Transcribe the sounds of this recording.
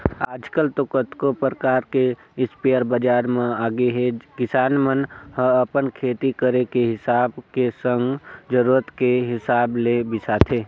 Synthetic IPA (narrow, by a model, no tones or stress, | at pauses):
aːd͡ʒkəlt̪okət̪kopɾəkaːɾke | ɪspeəɾbəd͡ʒaːɾmẽaːɡeɦekɪsaːnmənhə̃əpənkʰeːt̪ikəɾekeɦɪsaːbkesə̃ŋɡd͡ʒəɾuːɾət̪keɦɪsaːblebɪsat̪ʰeː